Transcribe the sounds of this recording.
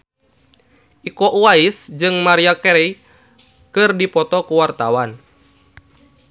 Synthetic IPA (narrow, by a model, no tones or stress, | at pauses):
ʔikɔʔuaisd͡ʒɨŋmaɾiakɛɾɛ | kɨrdipɔt̪ɔkuwart̪awan